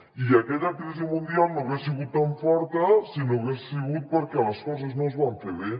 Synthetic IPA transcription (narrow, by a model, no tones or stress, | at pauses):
iakeʎakɾis̬imũnd̪jalnoɣeɾsiɣut̪̚t̪ːaɱfoɾt̪asinoɣesiɣut̪̚poɾkealaskosaznozβant̪eβe